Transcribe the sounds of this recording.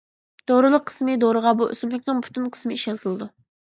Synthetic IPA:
d̪̥oɾɨlˠəqʰːə̥smɨd̪oɾɨʁɑbuʔy̰smlɪkʲnɪŋpʰy̥t̪ʰynqʰə̥smɪiʃjɑzɨlˠɨd̪u

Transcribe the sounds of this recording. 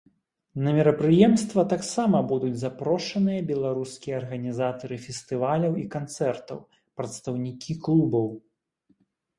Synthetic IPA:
nɐmʲɛɾɐpɾɨjɛmst̪vɐt̪aksamɐbud̪ud͡zʲzapɾɔʂɐnɨjɐbʲɛlˠaɾuskʲijɐːrɣɐnʲizat̪ɐɾɨfʲɛst̪ɨvalʲɐwikant̪sɛrt̪ɐ̰w | pɾɐt̪st̪ɐwnʲikʲiklˠubɐw

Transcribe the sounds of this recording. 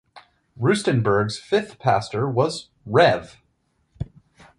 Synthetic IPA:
ɹʉstɨ̃nbə˞ɡz̥fɪθpʰæ̰stə˞wʌz | ɹɛv̥

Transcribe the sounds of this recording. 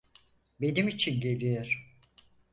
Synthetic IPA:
be̞nimit͡ʃʰinɟe̞lʲijoɾ̥

